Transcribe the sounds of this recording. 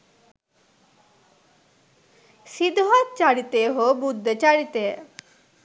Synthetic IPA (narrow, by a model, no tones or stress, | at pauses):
sid̪ɦɔt̪̚t͡ʃaɽit̪eɦobud̪ʱːet͡ʃaɽit̪e